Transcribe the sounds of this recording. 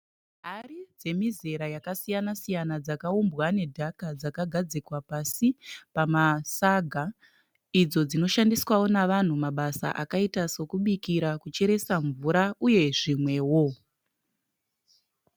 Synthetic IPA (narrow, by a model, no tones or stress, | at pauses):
ɦaɾid͡ze̞mize̞ɾajakasijanasijanad͡zakaumbwane̞dʱakad͡zakaɡʱad͡zikwapasipamasaɡʱa | id͡zo̞d͡zino̞ʃandiswawo̞naʋan̤umaɓasa̰ʔakaitaso̞kuɓikiɾakut͡ʃe̞ɾe̞saɱvuɾauje̞ʐimwe̞wo̞